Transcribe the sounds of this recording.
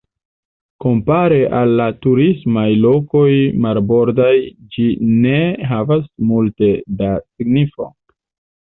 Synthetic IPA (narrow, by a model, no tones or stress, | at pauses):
ko̞mpaɾe̞ʔalːatuɾismajlo̞ko̞jmalbo̞ɾdajd͡ʒine̞ɦavasmulte̞dasiɡnifo̞̰